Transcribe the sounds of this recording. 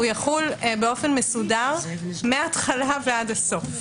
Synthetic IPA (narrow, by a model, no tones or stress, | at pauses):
ujaχulbeo̞fe̞nme̞sudaʁmeaːt̪χalavead̪asof